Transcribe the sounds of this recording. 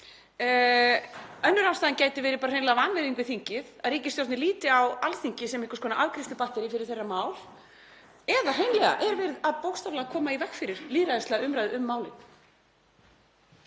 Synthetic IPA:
œnːʏɾaːwst̪aːðɪncaːjt̪ɪvɛːɾɪpaːɾareːjnlɛɣavanvɛɾiŋkvɪθiŋcɪðaðriːcɪst̪jowɾt̪nɪliːt̪ɪawalθiŋcɪsɛmɪhkɔ̥skʰɔnaʔavkɾist̪ʏpaht̪ɛɾifɪɾɪɾ̥θejrːamaːwl | ɛðar̥ɦejnlɛɣa̰ʔɛɾvɪɾðaðpowkst̪avlaɣakʰɔːmaivɛkfɪɾɪɾ̥liːɾaðɪst̪ɛɣaʏmɾajðʏʏmːaːwlɪn

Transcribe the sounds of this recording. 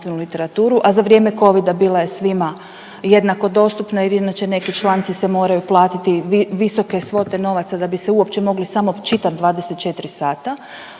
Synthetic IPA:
t̪ʋenulit̪e̞ɾat̪uːɾuʔazaʋɾje̞ːme̞ko̞ʋid̪abiːlˠoje̞sʋima | je̞d̪nako̞d̪o̞st̪upnailinat͡ʃe̞ne̞kit͡ʃlˠant̪sisemo̞ːɾajuplˠaːt̪it̪iiʋiso̞ke̞sʋo̞t̪e̞no̞ʋat̪sad̪abiseuo̞pt͡ʃe̞mo̞ɡlisamo̞t͡ʃit̪at̪̚d̪ʋaːd̪eset̪̚t͡ʃe̞t̪ɾisaːt̪a

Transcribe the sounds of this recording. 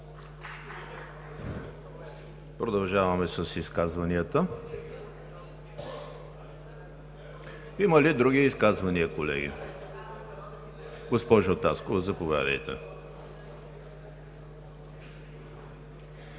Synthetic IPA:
pɾod̪ɐlˠʒavɐmɛsɐsiskazvɐniət̪ə | imɐlid̪ɾuɡiiskazvɐniəkolɛ̰ɡʲḭ | ɡospɔʒot̪askovɐzɐpovja̰d̪ə̰jt̪ɛ̰

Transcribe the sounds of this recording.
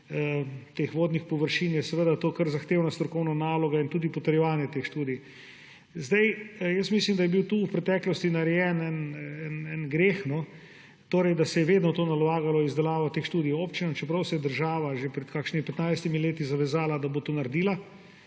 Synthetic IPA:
t̪exʋoːd̪nixpɔʋəɾʃinjɛsɛʋəd̪at̪oːkəɾzaxt̪eːwnast̪ɾɔkɔwnanaːlɔɡaint̪uːd̪ipɔt̪əɾjɛʋaːnjɛt̪exʃt̪uːd̪ij | zd̪ɛjjəsmislimd̪ajɛbiwt̪uːwpɾɛt̪ɛːklɔst̪inaɾɛjɛnɛnɛnɛnɡɾeːxnɔ | t̪oːɾɛjd̪asɛjɛʋeːd̪nɔt̪oːnalaːɡalɔizd̪ɛlaːʋɔt̪eːxʃt̪uːd̪ijoːpt͡ʃinɔnt͡ʃɛpɾɐwsɛjɛd̪əɾʒaːʋaʒepɾɛt̪kaːkʃnimipɛt̪najst̪imileːt̪izaʋɛzaːlad̪abot̪unɐɾd̪iːla

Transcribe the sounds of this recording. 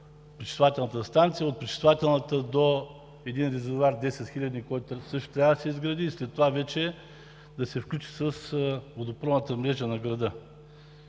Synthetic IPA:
pɾit͡ʃi̥st̪vovat̪ʲɛlˠnət̪əst̪ant̪sijəot̪pɾit͡ʃi̥st̪vuvat̪ɛlˠnət̪əd̪o | ɛd̪inɾɛzovaɾd̪ɛsɛt̪xilʲɐd̪ikɔjt̪ʊsɤʃt̪ʊ̥t̪ɾʲavəd̪ɐsɛizɡɾɐd̪iːslɛt̪ːovavɛt͡ʃɛ | d̪ɐsɛfklʲut͡ʃi̥səsvod̪opɾɔvnət̪əmɾɛʒənɐɡɾɐd̪ə

